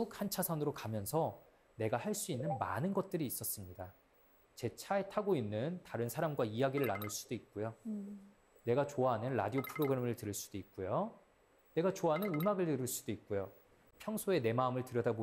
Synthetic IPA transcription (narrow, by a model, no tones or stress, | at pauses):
ukhant͡ɕʰasʰanɯɾokamjʌnsʰʌ | ne̞ɡahaɭs͈uinːɯnma̰nɯnɡʌt̚t͈ɯɾiːs͈ʌs͈ɯmɲida | t͡ɕe̞t͡ɕʰae̞tʰaɡoinːɯntaɾɯnsʰaɾamɡwaijaɡiɾɯɭːanɯɭs͈u̥d̥oik̚k͈ujo | ne̞ɡat͡ɕoaɦanɯnɾa̰diopʰɯɾoɡɯɾemɯɭtɯɾɯɭs͈u̥d̥oik̚k͈ujo | ne̞ɡat͡ɕoaɦanɯnɯmaɡɯɭtɯɾɯɭs͈u̥d̥oik̚k͈ujo | pʰjʌŋsʰoe̞ne̞maɯmɯɭtɯɾjʌdabo